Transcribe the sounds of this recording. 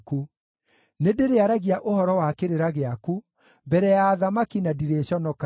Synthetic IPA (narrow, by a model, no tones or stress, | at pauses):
ku | nedeɾeaɾaɣiaʔohɔɾɔwakeɾeɾaɣeaku | bɛɾɛjaːðamakinadiɾeɕɔnɔk